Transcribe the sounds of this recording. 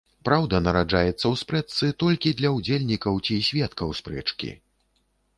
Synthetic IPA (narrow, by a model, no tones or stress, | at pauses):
pɾawd̪ɐnɐɾad͡ʐajɛt̪sːɐwspɾɛt̪sɨt̪ɔlʲkʲid̪lʲɐwd͡zʲelʲnʲikɐwt͡sʲisʲvʲɛt̪kɐwspɾɛt͡ʂkʲḭ